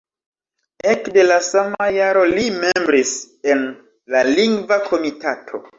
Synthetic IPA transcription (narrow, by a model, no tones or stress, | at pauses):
ekde̞lasamajaɾo̞lime̞mbɾis | en | laliŋɡvakʰo̞mitatʰo̞̰